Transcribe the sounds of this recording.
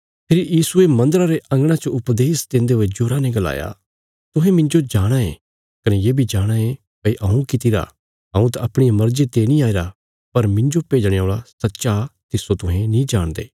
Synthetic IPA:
pʰeːɾijiːsuemɐ̃nd̪əɾaɾeʔɐ̃ŋɡɽ̃ãt͡ʃoʊpd̪eːsd̪ẽːnd̪eɦoed͡ʒʊːɾanɛ̃ɡɐla̰ːja̰ | t̪ʊɦɛ̃mɪ̃ɲd͡ʒod͡ʒaːɽ̃aḛ̃ | kɐnɛjeːbʱid͡ʒaːɽ̃ae | pɐiʔɐ̃ũkit̪ɪɾa̰ | ɦɐ̃ũt̪aɐpɽ̃ijamɐɾd͡ʒet̪eːnĩaːiɾa | pɐɾmɪ̃ɲd͡ʒopeːd͡ʒɽ̃eoːɭasɐtːʃat̪ɪsot̪ʊ̃ɦɛ̃nĩd͡ʒaːɽ̃d̪ḛː

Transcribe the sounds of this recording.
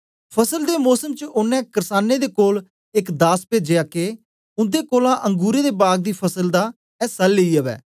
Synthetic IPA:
pʰəsəld̪eːmɔːsəmt͡ʃəʊnːɛ̃ːkəɾsaːnːeːd̪eːkoːl | ɪkd̪aːspeːd͡ʒejaːkeː | ʊ̃nd̪eːkoːlãːʔə̃ŋɡuːɾeːd̪eːbaːɡ̚d̪iːpʰəsəld̪aː | ɛːsəlːeiːəʋɛ̰ː

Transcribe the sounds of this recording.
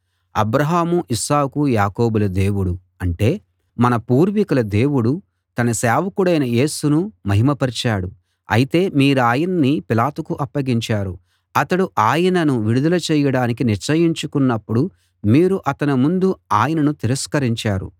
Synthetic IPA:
ɐ̰bɾɐɦaːmuʔisaːkujaːko̞ːbulɐd̪e̞ːwuɽu | ɐɳʈe̞ː | mɐnɐpuːɾʋikulɐd̪e̞ːwuɽu | t̪ɐnɐsaːʋɐkuɽɐjnɐje̞ːsunumɐɦimɐpɐɾt͡ʃaːɽu | ɐ̰jit̪e̞ːmiːɾuaːjɐnɐnːipilaːt̪ukuʔɐpːɐɡiɲt͡ʃaːɾu | ɐt̪ɐɽuʔaːjɐnɐnuʋiɽud̪ɐlɐt͡ʃɛːjɐɽaːnik̬iniɾt͡ʃɐjiɲt͡ʃukunːɐpːuɽu | miːɾuʔɐt̪ɐnimund̪uaːjɐnɐnut̪iɾɐskɐɾiɲt͡ʃaːɾṵ

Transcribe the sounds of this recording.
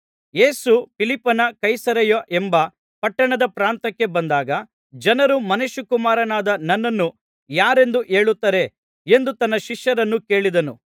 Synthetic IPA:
jeːsupilipːɐnɐkɐjsɐɾɐjoʔembɐ | pɐʈːɐɳɐd̪ɐpɾaːnt̪ɐkːe̞bɐnd̪aːɡɐ | d͡ʒɐnɐɾumɐneʃukumaːɾɐnaːd̪ɐnɐnːɐnːu | jaːɾe̞nd̪uʔe̞ːɭut̪ːɐɾe̞ | end̪ut̪ɐnːɐʃiʂjɐɾɐnːuke̞ːɭid̪ɐnṵ

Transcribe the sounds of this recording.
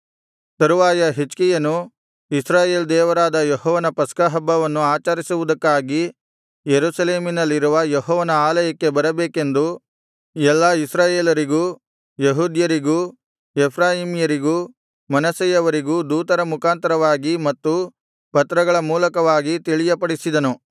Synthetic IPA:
sɐɾuʋaːjɐɦit͡ʃkijɐnu | isɾaːje̞ːld̪ɛːʋɐɾaːd̪ɐjɔhɔːʋɐnɐpɐskɐɦɐbːɐʋɐnːuaːt͡ʃɐɾisuʋud̪ɐkːaːɡi | jeɾusɐleːminɐlːiɾuʋɐjeɦɔːʋɐnɐaːlɐjɐkːe̞bɐɾɐbeːkend̪u | ɛlːɐisɾaːjeːlɐɾiɡuː | jeɦuːd̪jɐɾiɡuː | ɛpʰɾaːjimijɐɾiɡuː | mɐnɐsɐjɐʋɐɾiɡuːd̪uːt̪ɐɾɐmukʰaːnt̪ɐɾɐʋaːɡimɐt̪ːu | pɐt̪ɾɐɡɐɭɐmuːlɐkɐʋaːɡit̪iɭijɐpɐɽisid̪ɐnu

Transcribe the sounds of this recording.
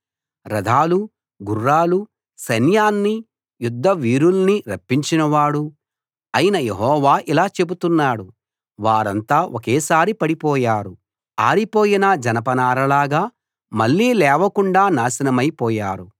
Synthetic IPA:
ɾɐd̪ʱaːlu | ɡurːaːlu | sɐnjaːnːi | jud̪ʱːɐʋiːɾulɐniɾɐpːiɲt͡ʃinɐʋaːɽu | ɐjinɐjeɦɔːʋaːʔilaːt͡ʃe̞but̪unːaːɽu | ʋaːɾɐnt̪aːʔokeːsaːɾipɐɽipɔːjaːɾu | aːɾipoːjinɐd͡ʒɐnɐpɐnaːɾɐlaːɡaː | mɐɭːiːlɛːʋɐkuɳɖaːnaːsɐnɐmɐjpɔːjaːɾu

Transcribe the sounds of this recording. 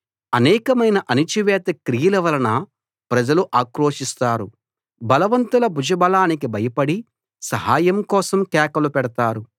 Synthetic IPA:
ɐnɛːkɐmɐjnɐʔɐnit͡ʃiʋɛːt̪ɐkɾijɐlɐʋɐlɐnɐ | pɾɐd͡ʒɐluʔaːkɾoːʂist̪aːɾu | bɐlɐʋɐnt̪ulɐbud͡ʒɐbɐlaːnikibɐjɐpɐɽi | sɐɦaːjɐmkɔːsɐmkɛːkɐlupɛɽɐt̪aːɾu

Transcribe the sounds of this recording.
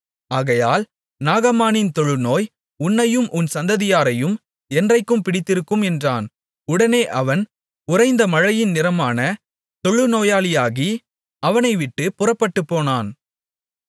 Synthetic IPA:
aːɣɐjaːl | naːɣɐmaːnɪnt̪ɔɻɯnoːj | ʊnːɐjɯmʔʊnsɐnd̪ɐðɪjaːɾɐjɯm | ɛndrɐɪkːɯmpɪɽɪt̪ːɪɾɯkːɯmɛndraːn | ʊɽɐneːʔɐʋɐn | ʊrɐɪnd̪ɐmɐɻɐjɪnnɪɾɐmaːnɐ | t̪ɔɻɯnoːjaːlɪjaːɣi | ɐʋɐnɐɪʋɪʈːɯpʊrɐpːɐʈːɯpːoːnaːn

